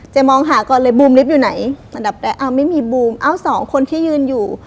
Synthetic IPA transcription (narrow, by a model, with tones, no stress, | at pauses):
t͡ɕa˧˩mɔː˧ŋɦaː˨˦kɔː˧˩lɤː˧jbuː˧mli˦˥p̚juː˨˩na˨˩˦jla˧nda˨˩˦p̚ɾɛː˧˩ʔa˧˩wma˥˩˨jmiː˧buː˧mʔa˧˩wsɔː˨˩˦ŋkʰo˧nt̪ʰiː˥˩˨jɯː˧njuː˨˩